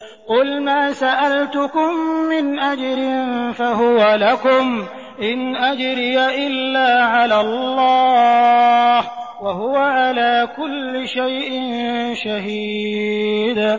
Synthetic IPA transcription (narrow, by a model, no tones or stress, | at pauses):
qʊlmaːsaʔalt̪ʊkʊmːɪnʔad͡ʒɾɪnfaɦʊwalakʊm | ʔɪnʔad͡ʒɾɪjaʔɪlːaːʕalaːlˤːɑː | hwahʊwaʕalaːkʊlːɪʃajʔɪnʃaɦiː | d̪